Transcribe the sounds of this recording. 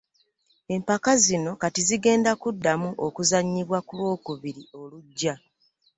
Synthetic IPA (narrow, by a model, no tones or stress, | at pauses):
e̞mpakazino̞katiziɡe̞ːndakudːamuʔokuzaɲːiβwakulwo̞ːkuβiɾio̞luɟːa